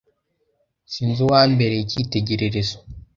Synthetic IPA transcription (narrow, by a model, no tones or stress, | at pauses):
siːnzuwaːmbe̞ɾeicite̞ɟe̞ɾeɾezo